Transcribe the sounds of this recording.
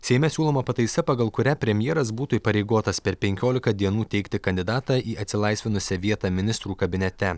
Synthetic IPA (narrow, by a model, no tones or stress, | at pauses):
sʲɛɪmʲɛsʲuːlˠoːmɐpɐt̪ɐɪsɐpɐɡɐlˠkʊɾʲæpʲɾʲɛmʲjɛɛɾɐsbuːt̪uiːˑpɐɾʲɛɪɡoːt̪ɐspʲɛɾpʲɛŋʲkʲoːlʲɪkɐd̪ʲiɛnuːt̪ʲɛɪkt̪ʲɪkɐnʲd̪ʲɪd̪ɑːt̪ɑːʔiːɐt̪ʲsʲɪlˠɐɪsʲʋʲɪnʊsʲɛʋʲiɛt̪ɑːmʲɪnʲɪst̪ɾuːkɐbʲɪnʲɛt̪ʲɛ